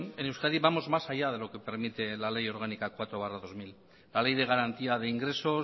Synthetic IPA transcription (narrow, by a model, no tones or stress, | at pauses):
ne̞newskaðiβamo̞zmasaʎað̞e̞lo̞ke̞pe̞ɾmit̪e̞lale̞jo̞ɾɣ̞anikakwat̪ɾoβaraðo̞zmil | lale̞jð̞e̞ɣ̞aɾant̪iað̞e̞iŋɡɾe̞so̞